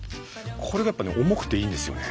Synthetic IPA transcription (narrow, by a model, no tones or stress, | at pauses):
kʰo̞ɾe̞ɡajapːanḛʔomo̞kɯ̥t̪ːe̞iːnd̪e̞sɨjo̰ne